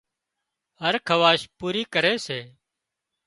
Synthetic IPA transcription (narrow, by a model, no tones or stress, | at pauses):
ɦəɾkʰəʋaːʃpuːɾiːkəɾeːseː